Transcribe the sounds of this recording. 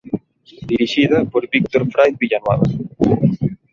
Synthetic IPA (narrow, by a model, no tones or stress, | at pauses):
d̪iɾiʃiðɐpoɾbik̚t̪oɾfɾajðβiʎanwaðɐ̰